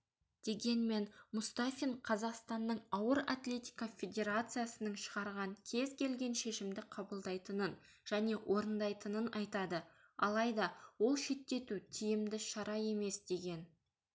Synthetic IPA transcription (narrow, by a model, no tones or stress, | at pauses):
d̪̥e̞ɡʲe̞nme̞nmʊst̪afʲiɴqʰɑzɑqst̪ɑnːəɴɑwəɾat̪lʲe̞t̪ʲijkafʲe̞d̪ʲe̞ɾat̪sɨjasənəɴʃəʁɑɾʁɑŋkʲʰe̞zkʲʰe̞lɡʲe̞nʃe̞ʃɪmd̪ɪqʰɑbəlˠd̪ɑjt̪ənən | ʒ̥æne̞wʔo̞ɾənd̪ɑjt̪ənənɑjt̪ɑd̪ə | ɑlˠɑjd̪ɑwo̞lˠʃe̞t̪ːe̞t̪ut̪ʰijɪmd̪ɪʃɑɾɑe̞me̞sd̪e̞ɡʲe̞n